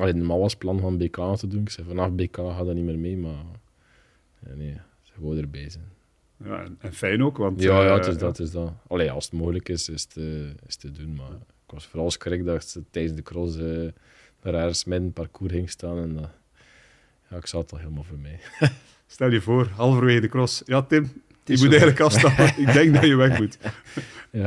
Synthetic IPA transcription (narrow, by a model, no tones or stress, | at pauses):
ɑleːdəmɑlʋɑsplɑnvɑnbeːkaːtədunɪksɛvɑnɑfbekaːɦaːdanimeːrmeːma | neː | səɣoːdərbɛːzɛn | ja̰ɛ̰nɛnfɛjnoːkʋɑntjaːjatɪzdɑtɪzdɑɑleːɑ̰lˠsətmoːɣələkɪsɪstəɪstədunmaɪkwɑsfoːɾɑlˠskrɪk̚dɑsətɛjdənzdəkrɔsə | daɾɛrɣəsmɛdənpɑrkʰuːrɦɪŋstaːnɛnd | jaɪksɑətɑlˠɦeːləmaːlˠvoːrmɛj | stɛlˠjəvoːrɦɑlˠvəɾʋeːɣəndəkrɔsjɑːtɪm | dimutɛjɣələkɑfstɑpəɪɡ̚dɛŋɡdɑjəʋɛxmut | ja